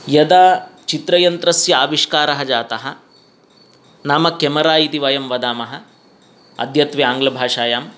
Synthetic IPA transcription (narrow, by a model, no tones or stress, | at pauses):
jɐd̪aːt͡ʃit̪ɾɐjɐnt̪ɾɐsjɐaːʋiʂkaːɾɐɦɐd͡ʒaːt̪ɐɦɐ̆ | naːmɐkemɐɾaːjit̪iʋɐjɐmʋɐd̪aːmɐɦɐ̆ | ɐ̰d̪ʱjɐt̪ʋɐaːŋɡlɐbʱaːʂaːjaːm